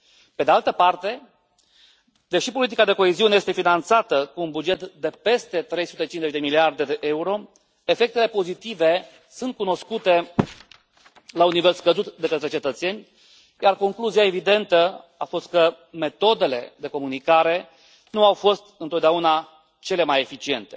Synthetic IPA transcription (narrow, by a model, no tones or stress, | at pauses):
ped̪ealt̪əpart̪e̞ | d̪e̞ʃipo̞lit̪̬ikad̪e̞ko̞e̞ziuneje̞st̪e̞finant̪sat̪əkuːnbud͡ʒe̞t̪d̪e̞pe̞st̪e̞t̪ɾe̞jsu̥t̪e̞t͡ʃinzet͡ʃʲd̪e̞miliard̪e̞d̪e̞ʔe̞uɾo̞ | e̞fe̞k̚t̪ele̞po̞zit̪ive̞ | sunt̪̚kuno̞skut̪e̞ | launːive̞lskəzut̪d̪e̞kət̪ɾe̞t͡ʃe̞t̪ət̪se̞nʲ | jarko̞ŋkluziae̞vid̪e̞nt̪əafo̞st̪̚kə | me̞t̪o̞d̪e̞le̞̰d̪e̞ko̞munikaɾe̞ | nuawfo̞st̪ɨnt̪ot̪d̪eauna | t͡ʃe̞le̞maje̞fit͡ʃie̞nt̪e̞